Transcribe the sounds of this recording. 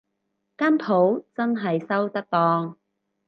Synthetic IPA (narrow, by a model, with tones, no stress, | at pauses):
kaː˥npʰo˨˥wt͡sɐ˥nɦɐ˨jsɐ˥wt̪ɐ˥k̚t̪ɔː˧ŋ